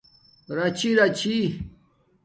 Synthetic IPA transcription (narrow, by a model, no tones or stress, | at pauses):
ɾat͡ɕʰiɾat͡ɕʰi